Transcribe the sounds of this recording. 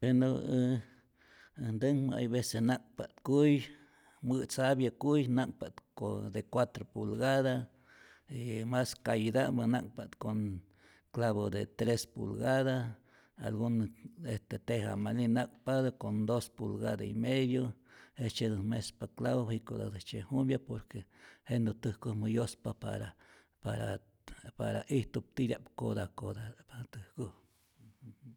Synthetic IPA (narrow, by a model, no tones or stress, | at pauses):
peno | nd̪əŋmaa̰jβesenak̚pa̰t̪kuj | mɨt͡saβjakujnak̚pat̪kod̪ekwat̪ɾopulɡaða | imaskajd̪abana̰k̚pat̪koŋ | klaβod̪et̪ɾespṵlɡaða | a̰lɡunest̪et̪eha̰malinak̚ʼpad̪okond̪ospulɡad̪aḭmeðjoest͡ʃed̪umespaklaβohikod̪a̰d̪ɨht͡ʃehumbjapoɾkehend̪ot̪ɨhkuhmujospapa̰ɾa | paɾa | pa̰ɾaʔiht̪up̚t̪iɾja̰ʔpkod̪akod̪apat̪ɨhkuh